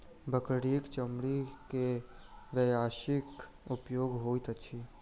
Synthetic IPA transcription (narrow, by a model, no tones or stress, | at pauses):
bʱəkɽiːkt͡ʃəmɽikeʋejaːʃɪk | ʊpjoːɡɦoːit̪ətːʃʰiː